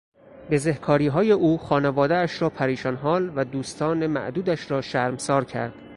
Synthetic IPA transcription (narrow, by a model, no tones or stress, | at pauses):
be̞zehkʰɒːɾiːɦɒːjeʔuːxɒːnevɒːd̪eæʃɾɒːpʰæɾiːʃɒnɦɒːlvæd̪uːst̪ʰɒːne̞mæ̰ʔd̪uːd̪æʃɾɒːʃæːɾmsɒːɾcʰæ̰ɾd̪̥